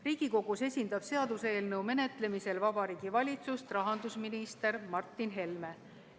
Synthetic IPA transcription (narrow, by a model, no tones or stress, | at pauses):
riːɡ̥iko̞ɡ̥use̞sʲind̪̥ɑb̥se̞ɑd̪̥useeːlnɤwme̞ne̞t̪le̞mise̞lvɑbɑɾiːɡ̥ivɑlʲit̪sust̪rɑɦɑnd̪usminist̪e̞ɾmɑrt̪ːˑinɦe̞lme̞